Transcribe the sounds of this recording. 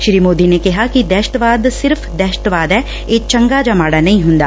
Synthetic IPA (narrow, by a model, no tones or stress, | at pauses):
ʃɾiːmoːd̪iːnekɪɦaːkid̪ɛːʃʈ̪ʋaːd̪sɪɾpʰd̪ɛːʃə̥ʈ̪ʋaːd̪ɛː | eːt͡ʃəŋɡaːd͡ʒaːmaːɽaːnɐĩɦʊ̃nd̪a̰ː